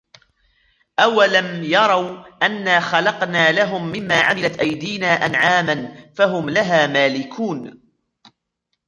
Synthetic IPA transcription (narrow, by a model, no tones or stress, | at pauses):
ʔawːalanjɑɾˤɑwʔanːaːxɑlɑqnaːlaɦʊmːɪmːaːʕa̰mɪlat̪ʔajd̪iːnaːʔanʕaːmanfaɦʊmlaɦaːmaːlɪkʰuːn